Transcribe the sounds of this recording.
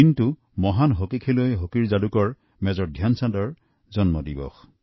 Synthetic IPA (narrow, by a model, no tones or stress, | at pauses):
intu | mɔɦanɦokikʰelojɦokiɹzalukɔɹ | mɛzɔɹdʱjansadɔɹ | zɔnmɔdibɔ̰x